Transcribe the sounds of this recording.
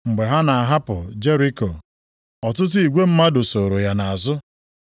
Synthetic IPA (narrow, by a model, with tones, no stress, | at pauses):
ŋ͡m̩˨ɡ͡be˨ɦa˦na˨a˨ɦa˦pʊ˨d͡ʒe˦ɾi˦ko˨ | ɔ˨tʊ˦t̬ʊ˦i˨ɡʷe˦m̩˦ma˦do˨so˨ɾo˨ja˨na˨a˨zʊ˦